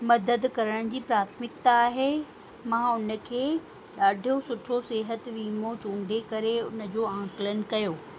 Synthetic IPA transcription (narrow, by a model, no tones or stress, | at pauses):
mɐd̪əd̪kɐɾəɽ̃d͡ʑiːpɾaːt̪ʰmɪkt̪aːɦe | mãːʊnə̆kʰeː | ɗaːɖʱijosʊʈʰoseːɦət̪ʋiːmot͡ɕũːɳɖʱekɐɾeʊnə̆d͡ʑoːãːkɪlən̆kɐjoː